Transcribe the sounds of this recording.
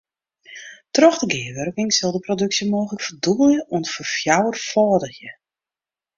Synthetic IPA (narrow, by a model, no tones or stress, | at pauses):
trɔxdəɡɪːʋørkɪŋsɪlˠdəprodøksjəmoːxələkfərdubəlˠjəuəntfərfjawərfɔːdəxjə